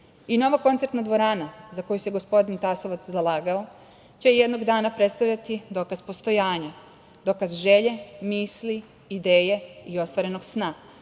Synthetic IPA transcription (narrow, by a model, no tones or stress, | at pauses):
ino̞ʋako̞nt̪seɾt̪nad̪ʋo̞ɾaːnazako̞juseɡo̞spo̞d̪int̪aso̞ʋat̪szalˠaːɡao | t͡ɕe̞jed̪no̞ɡd̪aːnapɾe̞t̪st̪aʋʎat̪id̪o̞kazpo̞st̪o̞jaːɲa | d̪o̞kazʒe̞ʎe̞miːsli | id̪e̞ːje̞io̞st̪ʋaɾe̞no̞ɡsna